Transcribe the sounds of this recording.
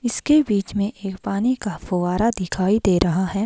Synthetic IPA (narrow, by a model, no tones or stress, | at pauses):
ɪskebiːt͡ʃmẽʔeːkpaːnikafʊʋaːɾad̪ɪkʰaːid̪eːɾʔɐɦaɦɛː